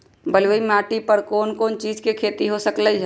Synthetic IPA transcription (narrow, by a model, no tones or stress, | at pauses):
bəlʋəimaːʈipəɾkoːnkoːnt͡ʃiːd͡ʒkekʰeːt̪iɦosəklə